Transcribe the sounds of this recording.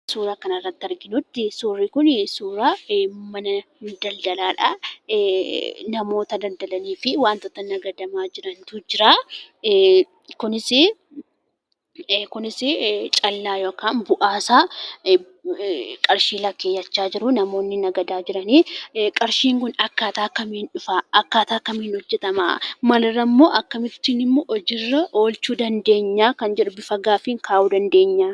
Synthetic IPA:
suːɾaːkɐnɐrːɐt̪ːɐɾɡɪnʊt̪ːɪsuːrːiːkʊnsuːɾaːmɐnɐd̪ɐld̪ɐlaːᶑɐ̰ | nɐmo̞ːt̪ɐd̪ɐld̪ɐlɐniːfɪwaːnt̪ɔt̪ːɐnɐɡɐd̪ɐmaːd͡ʒɪɾɐnt̪ud͡ʒɪɾaː | kʊnɪsɪ | kʊnɪsɪt͡ʃʼɐlːaːjo̞ːkaːnbʊʔaːsaː | kʼɐɾʃiːlɐkːeːjɐt͡ʃːaːd͡ʒɪɾʊnɐmo̞ːnːɪnɐɡɐd̪aːd͡ʒɪɾɐniːkʼɐɾʃiːŋkʊnɐkːaːt̪aːkːɐmiːnᶑʊfaːʔɐkːaːt̪aːkːɐmiːnhɔd͡ʒːɛt̪ɐma̰mɐlɐrːɐmːo̞ːʔɐkːɐmɪt̪ːiːnɪmːoʔɔd͡ʒɪrːɐʔo̞ːlt͡ʃuːd̪ɐnd̪e̞ːɲːaːkɐnd͡ʒɛᶑʊbɪfɐɡaːfɪŋkʰaːʔuːd̪ɐnd̪e̞ːɲːaː

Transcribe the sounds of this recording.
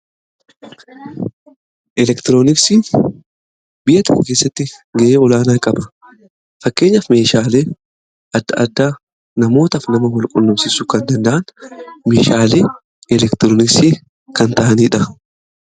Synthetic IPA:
ʔɛlɛkt̪ɪɾoːnɪksiː | bɪʔɐt̪ɐ̰kɐke̞ːsːɐt̪ːɪɡɐʔeːɔlaːnaːkʼɐbɐ̥ | fɐkːe̞ːɲːɐfme̞ːʃaːle̞ː | ʔɐd̪ːɐʔɐd̪ːaː | nɐmo̞ːt̪ɐfnɐmɐwɔlkʼʊnːɔmsɪsʊkɐnd̪ɐnd̪ɐʔɐnmeːʃaːle̞ː | ɛlɛkt̪ɪɾoːnɪksiː | kɐnt̪ɐʔɐniːᶑɐ

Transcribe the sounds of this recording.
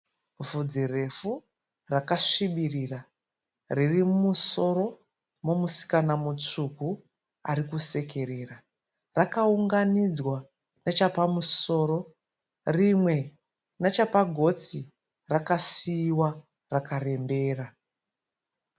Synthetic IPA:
vud͡zire̞fu | rakaʂiɓirira | ririmumuso̞ɾo̞ | momusi̥kanamut͡ʂuku | a̰rikuse̞ke̞ɾera | rakauŋɡanid͡zwa | net͡ʃapamuso̞ːɾo̞ | rimwe̞ | net͡ʃapaɡʱo̞t͡si | rakasiːwa | rakare̞mbe̞ːra

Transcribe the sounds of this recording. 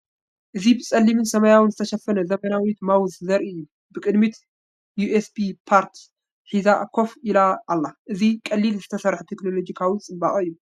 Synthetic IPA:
ʔɨzibɨsʼɐlːimɨnsɐmɐjawɨnzɨt̪ʰɐʃɐfɐnɐzɐmɐnawit̪mawzzɐɾɨjːu | bɨkʼɨd̪mit̪ | juesbipʰaɾt̪ | ħizakʰo̞filaːlːaʔɨzikʼɐlːilzɨt̪ʰɐsɐɾħut̪ʰekno̞lo̞d͡ʒikʰawit͡sʼɨmbaχʼɨjːu

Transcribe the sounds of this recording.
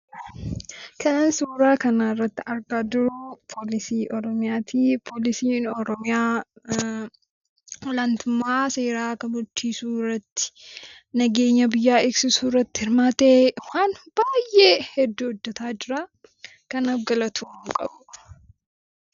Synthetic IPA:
kʰɐnansuːɾaːkɐnaːɪrːɐt̪ːɪɐɾɡaːd̪ʊɾʊpʰoːlɪsiːʔɔɾɔmɪjaːt̪ʰiːpʰoːlɪsiːnɔɾɔmɪjaː | wɔlɐnt̪ʊmːaːse̞ːɾaːkɐmʊɾt͡ʃːiːsuːrːɐt̪ːɪ̥ | nɐɡe̞ːɲːɐbɪjːaːɪɡsɪsuːrːɐt̪ːɪhɪɾmaːt̪eːwaːnbaːjʔeːhɛd̪ːuːɔd̪ːɐt̪aːd͡ʒɪɾaː | kɐnɐfɡɐlɐt̪ʰuːŋkʼɐ̰bʊ

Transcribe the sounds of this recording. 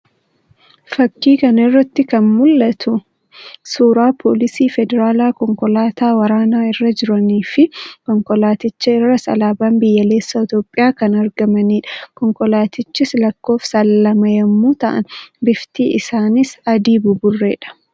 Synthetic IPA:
fɐkːiːkɐnɪrːɐt̪ːɪkɐnmʊlːɐt̪ʰʊ | suːɾaːpʰoːlɪsiːfɛd̪ɛɾaːlaːkɔŋkɔlaːt̪ʰaːwɐɾaːnaːɪrːɐd͡ʒɪɾɐniːfɪkɔŋkɔlaːt̪ɪt͡ʃːɐɪrːɐsɐ̰laːbaːmbɪjːɐle̞ːsːɐɪt̪oːpʼːɪjaːkɐnɐɾɡɐmɐniːᶑɐ̥kɔŋkɔlaːt̪ɪt͡ʃːɪslɐkːo̞ːfsɐlːɐmɐjɐmːuːt̪ɐʔɐ̰nbɪft̪iːɪsaːnɪsɐd̪iːbʊbʊrːe̞̰ːᶑɐ̥

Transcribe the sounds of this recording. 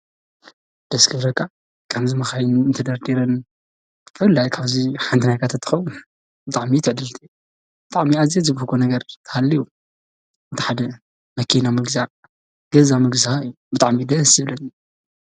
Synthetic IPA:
d̪̥ɐskʰɐɾɐkʼːa | kʰɐmzimɐxajɪnɨnt̪ʰɐd̪ɐɾd̪iɾɐn | t̪ʰfɐlːajkʰaβziħant̪ʰinajkʰat̪ʰɐt̪ʰːɨxɐwu | bɨt̪ʼaʕmit̪ʰɨʕd̪ɨlt̪ʰi | b̥ɨt̪ʼaʕmiazezɨbuhkʰonɐɡɐɾt̪ʰɐ̥halːiju | ɨt̪ʰi̥ħad̪ɐ | mɐkʰinamɨɡzaʕ | ɡ̥ɐzamɨɡzahaɨjːubɨt̪ʼaʕmid̪ɐsɨβlɐn

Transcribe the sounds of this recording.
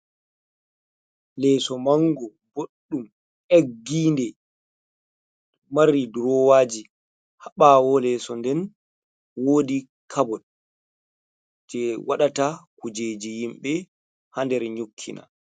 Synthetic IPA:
lɛsɔmaŋɡɔ | boɗːum | ʔeɡːiːndɛ | marːiduɾɔwaːd͡ʒi | haɓawɔlɛsɔndɛn | woːdi | kʰabɔɗ | d͡ʒɛwaɗatakud͡ʒeːd͡ʒijimɓɛ | handɛɾɲokʰːina̰

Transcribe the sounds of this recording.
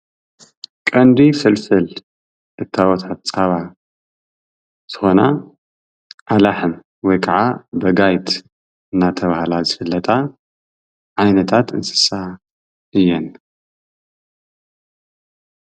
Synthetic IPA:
kʼɐnd̪ifɨlfɨl | ʔɨt̪ʰːawɔt̪ʰat̪t͡sʼaβa | z̥ɨxo̞na | ʔalaħɨm | wɔjkʰaʕabɐɡajt̪ | ɨnːat̪ʰɐβahlazɨfɨlːɐt̪ʼa | ʕajnɐt̪ʰat̪ʰɨ̰nsɨ̥sa | ʔɨjːɛn

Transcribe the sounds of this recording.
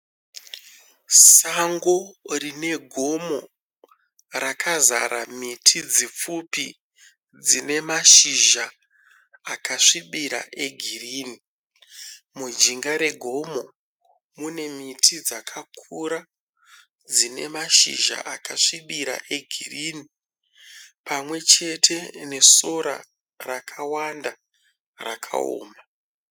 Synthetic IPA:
saŋɡo̞rine̞ɡʱo̞mo̞ | rakʰaza̰ɾamitʰid͡zip͡fupi | d͡zine̞maʃiʒaː | kaʂiɓiɾa̰ʔe̞ɡʱiriːni | mud͡ʒiŋɡaɾe̞ɡʱo̞mo̞ | mune̞mitʰid͡zakʰakʰuɾa | d͡zine̞̰maʃḭʒa̰ʔakaʂiɓiɾa̰ʔe̞ɡʱirini | pamwe̞t͡ʃe̞tʰe̞ne̞so̞ɾa̰ | rakʰawanda | ra̰kʰa̰o̰ːma

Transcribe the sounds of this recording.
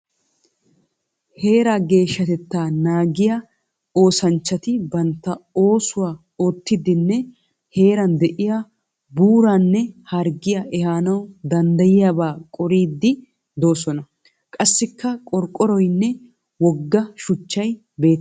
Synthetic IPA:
he̞ːɾaɡe̞ːʃːɐt̪ɛt̪ːaːnaːɡɪjɐ | o̞ːsɐnt͡ʃːɐt̪ɪbɐnt̪ːɐo̞ːsʊwaː | oːt̪ːɪd̪ɪnːɛ | he̞ːɾɐnd̪ɛʔɪja | buːɾaːnːɛhɐɾɡɪjɐʔɛhaːnɐwd̪ɐnd̪ɐjɪjaːbaːkʼɔɾiːd̪ːɪ | d̪o̞ːsɔnɐ | kʼɐsːɪkːɐkʼɔɾkʼːɔɾɔjnːɛ | wɔɡːɐʃʊt͡ʃːɐj | be̞ːt̪ː

